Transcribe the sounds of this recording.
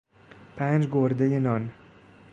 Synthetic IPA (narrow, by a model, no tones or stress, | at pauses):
pʰant͡ʃɡoɾd̪ajɪnɒn